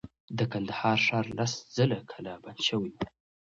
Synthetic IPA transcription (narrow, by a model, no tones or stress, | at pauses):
d̪əkand̪ahɑɾʂɑɾlaszəlakʰalabanʃəwaj